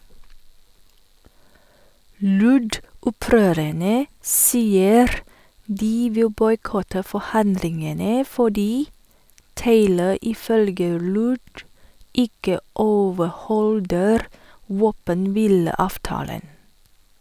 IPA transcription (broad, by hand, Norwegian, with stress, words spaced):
ˈlʉɖʊˌpɾøːɾəɳə ˈsiːəɾ ˈdiː ˈʋɪl ˈbɔʏˌkɔtə fɔˈhɑndlɪŋənə fɔˈɖiː ˈteɪlə ɪˈfœlɡə ˈlʉːɖ ˈɪkə ˈoːʋəˌhɔldəɾ ˈʋoːpənˌʋiːləˌɑːfˌtɑːlən